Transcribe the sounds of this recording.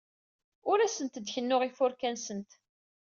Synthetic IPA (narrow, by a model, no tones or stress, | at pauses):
ʊɾæsənt̪d̪çənːʊʁifʊɾkænsənt̪